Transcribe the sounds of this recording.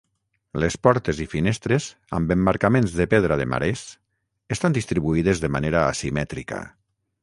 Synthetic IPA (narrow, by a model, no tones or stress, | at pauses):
lespɔɾt̪ezifinest̪ɾez | a̰mbembaɾkamẽnzðepeðɾaðema̰ɾes | est̪and̪ist̪ɾiβuiðezðemaneɾa̰ːsimɛt̪ɾika̰